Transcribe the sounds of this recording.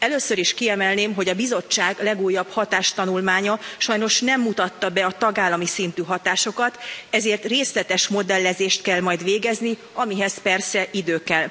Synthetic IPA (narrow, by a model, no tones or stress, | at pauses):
ɛløːsøɾiʃkiɛmɛlneːmɦo̞ɟɒbizo̞t͡ʃːaːɡlɛɡuːjːɒb̥hɒt̪aːʃt̪ɒnulmaːɲɒʃɒjno̞ʃnɛmːut̪ɒt̪ːɒbɛɒt̪ɒɡaːlːɒmisint̪yːɦɒt̪aːʃo̞kɒt̪ɛzeːrt̪reːslɛt̪ɛʃmo̞d̪ɛlːɛzeːʃt̪̚kɛlmɒjd̪ʋeːɡɛzni | ɒmiɦɛspɛrsɛʔid̪øːkɛl